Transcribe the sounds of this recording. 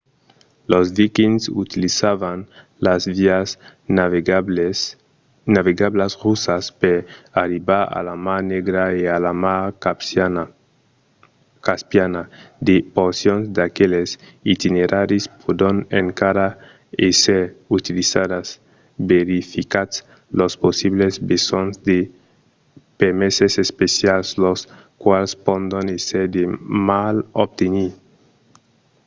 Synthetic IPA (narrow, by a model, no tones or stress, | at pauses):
lozðikinsut̪ilisaβan | lazviaznav | naβeɡablasrusaspeɾaɾibaɾa̰lamaneɡɾaealama | kaspjanad̪epoɾsjonzd̪akelesit̪ineɾʔaɾispʰod̪oneŋkaɾa | eseɾut̪ilisad̪as | beɾifikat̪s | losposiβlezbesonzd̪e | pemesesespesjalslos | kwalspond̪oneseɾd̪emalob̚t̪eni